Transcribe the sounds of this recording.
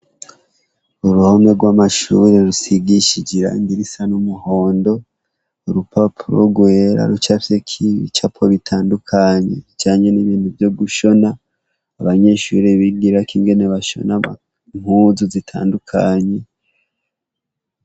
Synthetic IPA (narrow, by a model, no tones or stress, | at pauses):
uɾuhomeɡwamaʃuɾeɾusiɡiʃid͡ʒiɾa̰ḭndiɾisanumuho̞ːndo̞ | uɾupapʰuɾo̰ɡweɾa̰ɾut͡ʃafekʰiβḭt͡ʃapʰoβitʰaːndukʰaɲe̞̰it͡ʃaːɲe̞niβiːn̥huvjo̞ɡuʃo̞naː | βaɲe̞ʃuɾiβiɡiɾakiŋɡe̞neβaʃo̞̰na | m̥huːzuzitʰa̰ːndukʰaɲe̞